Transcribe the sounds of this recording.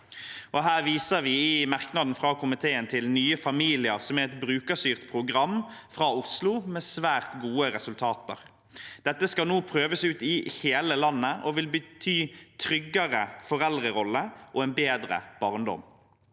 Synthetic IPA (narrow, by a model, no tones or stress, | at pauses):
ʔɔɦæːʁʋiːsəʁʋɪɪmɑʁknɑd̪n̩fʁɑːkʰʊmɪt̪ʰeːənt̪ʰɪlnyːəfɑmiːlɪəʁsɔmæʁɛt̪bɾʉːkəsyːʁt̪pʰʁʊɡʁɑmfʁɑːʊslʊmeːsʋæːʁt̪ɡuːəʁɛsʉlt̪ʰɑːt̪ə̰ʁ | d̪̥ɛt̪ːəskɑlnuːpʰʁøːʋəsʉːt̪ɪheːləlɑnːəʔɔʋɪlbət̪ʰyːt̪ʰɾʏɡːəʁəfɔʁɛld̪ʁəʁɔlːəʔɔɛnbeːd̪ʁə̰b̥ɑːʁnd̪ɔ̰m